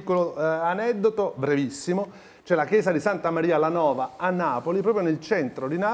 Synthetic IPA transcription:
kːoloanɛd̪ːot̪obɾevisːimo | t͡ʃɛlakjɛːzad̪isant̪amaɾiːalanɔːvaanːaːpolipɾɔːpɾjonelt͡ʃɛnt̪ɾod̪ina

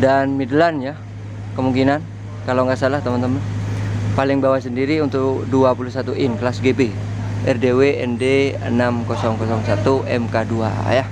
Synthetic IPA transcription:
danmidəlanja | kəmuŋkinan | kalawŋɡaʔsalaht̪əmənt̪əmənpalɪŋbawasəndiɾiunt̪ʊkduapulusat̪uʔɪnkəlasɡepe | ɛrdeweɛ̰ndeə̰namkɔsɔŋkɔsɔŋsat̪uʔɛ̰mkadua̰ja

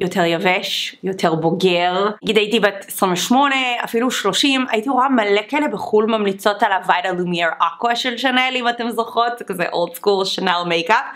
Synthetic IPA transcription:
jotʰeʁjaveʃjo̞tʰeʁboɡeʁɡidajitibetesʁĩɱveʃmo̞ne̞a̰filuʃlo̞ʃima̰jitioamalekaelebeχulmamlit͡so̞talavajdalumiaʁʔakwaʃelʃanelimatemzoχo̞tkazḛʔo̰ldskulʃenawmejka

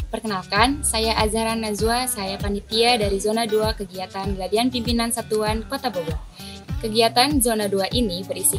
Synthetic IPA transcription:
pərkənalkansajaʔazaɾanːazuasajapanit̪iadaɾizonaduakəɡiat̪anladianpimpinansat̪uankot̪abolu | kəɡiat̪anzonaduaʔinibəɾisi

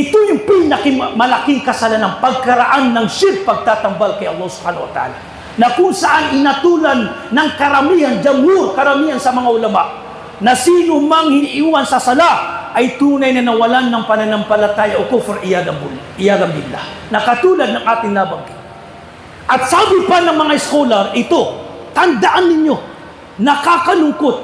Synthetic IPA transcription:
ʔɪt̪ojʊŋpɪnɐkɪŋmɐlakiŋkɐsɐlanaŋpɐɡ̚kɐɾaʔanːɐŋʃɪɾ̚pɐɡ̚t̪aːt̪ɐmbalkɐjʔɐlˠːɑhsʊ̥b̥haːnɐwɐ̰t̪a̰ʔa̰ːla | nɐkʊŋsɐʔanɪnɐt̪uːlanːɐŋkɐɾɐmiːhɐnd͡ʒɐmːuɾkɐɾɐmihansɐmɐŋaʔʊlɐma̰ʔ | nɐsiːnʊmɐŋhɪniʔwansɐsɐlaʔɐjt̪uːnɐjnɐnɐwɐlanːɐŋpɐnɐnɐŋpɐlɐt̪aːjɐʔokofɛɾʔɪjad̪ɐʔɪjaɡɐmbɪlla̰nɐkɐt̪uːlɐd̪̚nɐŋʔaːt̪ɪŋnabɐŋkɪ | ʔɐt̪̚saːbɪpɐnɐŋmɐŋaɪskolɐɾʔɪt̪o̞t̪ɐnd̪ɐʔanːɪɲjo̞ | nɐkaːkɐlʊŋkot̪̚

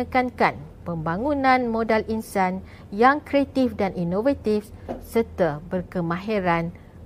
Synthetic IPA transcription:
əkankan | pəmbaŋunãnmõdalinsan | jaŋkɾeat̪ifdanʔinovat̪ifsərt̪abərkəmãɦeɾan

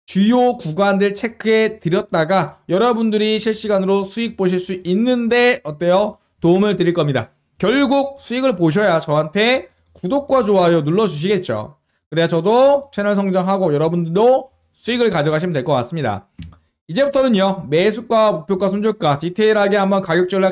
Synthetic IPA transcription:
t͡ɕujokuɡwandɯeɭt͡ɕʰe̞kʰɯe̞tɯɾjʌt̚t͈aɡajʌɾʌbundɯɾiɕʰiɭɕ͈iɡanɯɾosʰuik̚p͈oɕ̬ʰiɭs͈uʔinːɯnde̞ʌt͈ejʌ | toumɯɭtɯɾiɭk͈ʌmɲida̰ | kjʌɭɡuk̚s͈ʰuiɡɯɭpoɕ̬ʰʌjat͡ɕʌɦantʰe̞ | kudok̚k͈wat͡ɕoajʌnuɭːʌd͡ʑuɕ̬ʰiɡe̞t̚t͡ɕ͈o̰ | kɯɾet͡ɕʌdot͡ɕʰenʌɭsʰʌŋd͡ʑʌŋɦaɡojʌɾʌbundɯɭdo | sʰuiɡɯɭkad͡ʑʌɡaɕʰimndwe̞ɭk͈ʌk͈as͈ɯmɲida̰ | id͡ʑe̞butʰʌnɯnʌme̞sʰuk͈wamok̚pʰjokwasʰond͡ʑuɭk͈atitʰe̞iɾɦaɡe̞ambʌnkaɡjʌk̚t͡ɕ͈ʌɭa

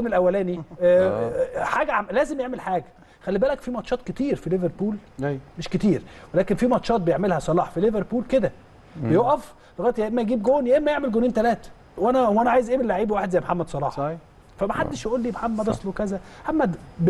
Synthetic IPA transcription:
nelʔæwːælæːni | ħaːɡæʕlæːzemjeʕmelħaːɡæ | xælːibæːlækfiːmɑt̪ʃɑːt̪̚ket̪iːɾfileveɾpuːlmeʃket̪iːɾwelæːkenfiːmɑt̪ʃɑːt̪̚bejeʕmelhæsˤɑlɑːħfileveɾpuːlked̪æ | bejoʔæf | leɣɑːjt̪jæʔemːæjɡiːbɡoːnjæʔemːæjeʕmelɡoniːnt̪ælæːt̪æ̥ | wʔænæwænæʕaːjezʔæʕmelːaʕiːbwaːħed̪zæjæmħamːæd̪sˤɑlˤɑ̰ːħɑ | fæmæħad̪ːeʃjæʔuːlːiːmħamːæd̪ˤɑsˤlowekæzæħamːæd̪b

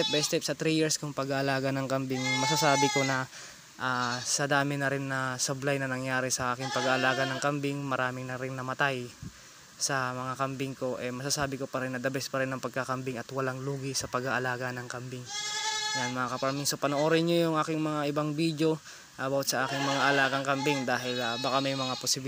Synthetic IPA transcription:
ɛp̚bɐjst̪ɛp̚sɐt̪ɾijiɹskʊŋpɐɡaʔɐlaːɡɐnɐŋkɐmbɪŋmɐsasaːbɪko̞nɐ | ʔasɐd̪aːmɪnɐɾɪnːɐsɐblajnɐnɐŋjaːɾɛsɐʔaːkɪŋpɐɡaʔɐlaːɡɐnɐŋkɐmbɪŋmɐɾaːmɪŋnɐɾɪnːɐmɐt̪aj | sɐmɐŋakɐmbɪŋko̞ʔɛmɐsasaːbɪkopɐɾɛnːɐd̪ɐbɛspɐɾɛnːɐŋpɐɡ̚kakɐmbɪŋɐt̪wɐlaŋluːɡɪsɐpɐɡaʔɐlaːɡɐnɐŋkɐmbɪŋjanmɐŋakɐpɾɐmiːsopɐnoʔoːɾɪnɲojʊŋʔaːkɪŋmɐŋaʔɪbaŋbid̪jo̞ | ʔabɐwt̪̚sɐʔaːkɪŋmɐŋaʔɐlaːɡɐŋkɐmbɪŋd̪aːɦɪlabɐkamɐjmɐŋaposɪbɪ

